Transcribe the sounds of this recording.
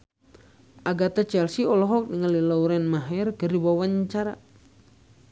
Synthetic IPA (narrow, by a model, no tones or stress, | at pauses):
ʔaɡat̪at͡ʃɛlsiɔlɔɦɔk̚niŋalilauɾɛnmaɦɛrkəriwawaɲt͡ʃaɾa̰